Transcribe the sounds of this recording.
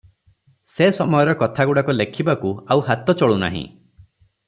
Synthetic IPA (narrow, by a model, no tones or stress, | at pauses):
sesɔmɔjɔɾɔkɔt̪ʰaɡuɽakɔlekʰibakuawhat̪ɔt͡ʃɔɭuna̰ɦḭ̃